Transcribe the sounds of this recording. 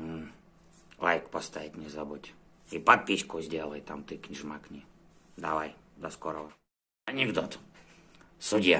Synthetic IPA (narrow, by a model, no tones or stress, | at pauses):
lajkpɔst̪aʋit̪ʲɲʲɛzabutʲipat̪̚pʲiʃkɔzʲdʲɛlɛjt̪amt̪ikɲʲiʒmakɲʲid̪aːʋajd̪ɔskɔɾɔ | ɲiɡd̪ɔt̪ | sudʲija